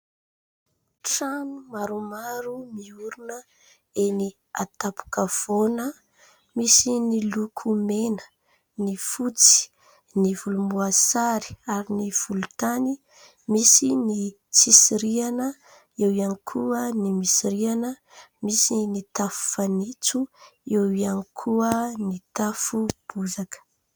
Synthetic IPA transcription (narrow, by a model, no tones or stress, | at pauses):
ʈ͡ʂanumaɾumaɾumiuɾunə | eni | at̪apu̥kəv̥onə | misinilukʰumenə̥ | nifut͡si̥ | nivulumuasaɾi̥aɾiniv̥ulut̪ani | misini | t͡sisiɾianə | ewianikʰuənimisiɾianə | misinit̪afu̥fanit͡suewianikʰuənit̪afub̥uzakə̥